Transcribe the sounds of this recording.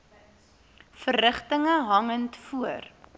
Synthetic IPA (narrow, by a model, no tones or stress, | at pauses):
fərːəχtəŋəɦɐŋəntfuər